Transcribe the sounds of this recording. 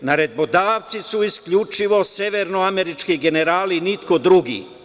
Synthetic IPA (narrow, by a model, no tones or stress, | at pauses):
naɾe̞d̪̚bod̪aːʋt̪sisuiskʎut͡ʃiʋo̞seʋeɾnoameɾit͡ʃkiɡe̞ne̞ɾaːlinit̪ko̞d̪ɾuɡḭː